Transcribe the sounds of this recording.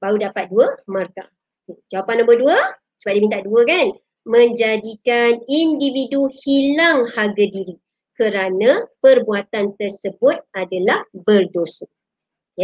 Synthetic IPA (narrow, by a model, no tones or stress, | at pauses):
baudapat̪̚duəmərka | d͡ʒawapanãmbərduə | səbaʔ̚dimint̪aʔduəkan | mə̃ɲd͡ʒadikanindividuhilaŋhaɡadiɾi | kəɾanãpərbuat̪ant̪ərsəbʊt̪̚adalahbərdosə | ja